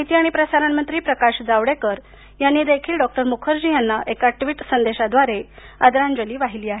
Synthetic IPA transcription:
aɦit̪iːaɽ̃ipɾəsaɾammənt̪ɾiːpɾəkaɕd͡zaʋɽekəɾ | janːiːd̪ekʰiːlɖɔk̚ʈəɾmukʰəɾd͡ʑiːjanːaʔekaʈʋiːʈsənd̪eɕad̪ʋaɾe | əd̪ɾãnd͡ʑəliːʋaɦiliːaɦe

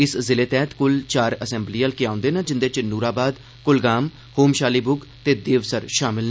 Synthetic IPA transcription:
ɪszɪleːt̪ɛːt̪kʊlt͡ʃaːɾəsɛ̃ːmbliːaːlkɪãːʊ̃nd̪eːnad͡ʒɪnd̪eːt͡ʃnuːɾaːbaːd̪ | kʊlɡaːm | hoːmʃaːliːbʊɡ | t̪eːd̪eːʋsəɾʃaːmɪlna

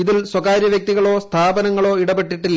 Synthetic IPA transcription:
iðilsswɐkaːɾjɐʋjɐk̚t̪iɣɐɭo̞ːst̪ʰaːbɐnɐŋːɐɭo̞ːiɽɐbeʈːiʈːilː

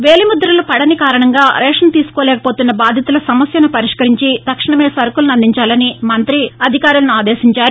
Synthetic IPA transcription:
ʋeːlimud̪ɾɐlupɐɽɐnikaːɾɐɳɐŋɡaːɾɛːʂɐnt̪iːsu̥koːlɛːkɐ̥poːt̪unːɐbaːd̪ʱjɐt̪ulɐsɐmɐsjɐnupɐɾiʂkɐɾiɲt͡ʃid̪ɐkʂɐɳɐmeːsɐɾkulnɐnd̪ʱiɲt͡ʃaːlɐnimɐnt̪ɾiɐd̪ʱikaːɾulɐnuaːd̪eːʃiɲt͡ʃaːɾu

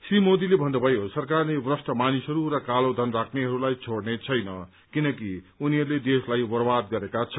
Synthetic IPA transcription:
srimod̪ilebʱʌnd̪ʌbʱʌjosʌrkarlebrʌsʈʌmanisɦʌɾuɾʌkalod̪ʱʌnrakʰneɦʌɾulajt͡sʰoɽnet͡sʰʌjnʌ | kinʌkiuniɦʌɾuled̪eslajbʌrbad̪̚ɡʌɾekat͡sʰʌ

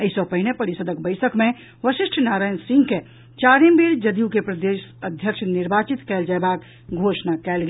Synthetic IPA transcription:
əɪsɔpəɦinepəɾisəd̪əkbəɪsəkme | ʋəsiʃʈʰnaɾajnsĩŋɡke | t͡ʃaɾimbiɾd͡ʒəd̪ijukepɾəd̪esəd̪ʱjəkʃʰniɾbat͡ʃit̪kɛld͡ʒaebak | ɡʱosnakɛlɡe

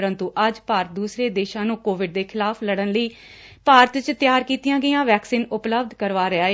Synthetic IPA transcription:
ɾə̃nt̪uːʔəd͡ʒpaːɾət̪̚d̪uːsɾeːd̪eːʃãːnũːkoːʋɪɖ̚d̪eːkʰɪlaːpʰləɽənləiː | paːɾət̪t͡ʃt̪ɪjaːɾkiːt̪jãːɡəjãːʋɛːksiːnʊpləb̚d̪ʱkəɾʋaːɾəaːeː

